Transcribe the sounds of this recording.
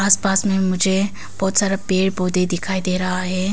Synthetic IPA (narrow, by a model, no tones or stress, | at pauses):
aːspaːsmẽmʊd͡ʒʱe | b̥ɔːt̪saːɾapeːɽboːd̪ed̪ɪkʰaːid̪eːɾaɦaːɦeː